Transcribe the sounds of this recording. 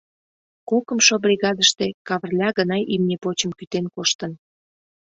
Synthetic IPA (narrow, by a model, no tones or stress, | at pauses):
kokə̆mʃobɾʲiɣɑd̪əʃt̪ekɑβərlʲɑɣənɑjʔimnʲepot͡ɕəmkyt̪enkoʃt̪ən